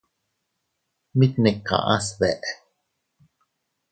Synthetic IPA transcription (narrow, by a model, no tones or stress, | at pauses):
mit̪nɛkːa̰ʔa̰sβɛʔ